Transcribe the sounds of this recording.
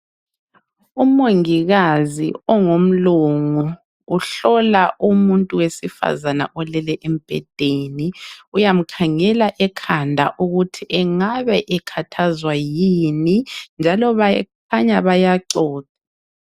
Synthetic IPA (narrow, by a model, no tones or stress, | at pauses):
umoŋiɣazḭɔŋom̩luŋuː | ɬɔlaʔumuntʼuwesifa̰zana̰ʔɔlɛlɛʔem̩b̥ʱɛ̰d̥ʱeniujam̩kʰaŋɛlaʔɛkʰandʱaʔuɣutʰiʔɛŋaβɛʔɛkʰatʰazwajinind͡ʒʱalɔβakʰaɲaβajaǀɔːta